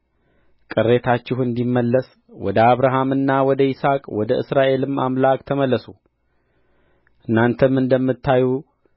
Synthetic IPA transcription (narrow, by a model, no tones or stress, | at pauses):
kʼɨrːe̞t̪ʰat͡ʃːɪhɨnd̪imːəlːəs | wɔ̰d̪əaβɾaɦamɨnːawɔd̪əisakʼwɔd̪əʔɨ̰sɾaʔe̞lɨma̰mlakʼt̪ʰəməlːəsu | ʔɨnːant̪ʰəmɨnd̪əmːɨt̪ːaju